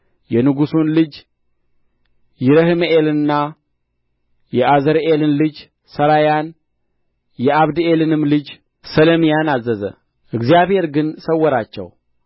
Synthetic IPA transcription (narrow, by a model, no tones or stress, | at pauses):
jɛnɨɡusunlɨd͡ʒ | jɪɾəhɨmʔelɨɨnːa | jɛʔazəɾelɨnlɨd͡ʒ | səɾajan | jɛaβd̪elɨnɨmlɨd͡ʒ | sələmijanazːəzə̰ | ʔɨɡzijaβhe̞ɾɡɨnsəwːɔɾat͡ʃːɛ̰w